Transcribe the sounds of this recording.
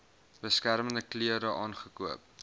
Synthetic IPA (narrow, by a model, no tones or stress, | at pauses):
bəskæɾməndəkliəɾəʔɑːnχəkuəp̚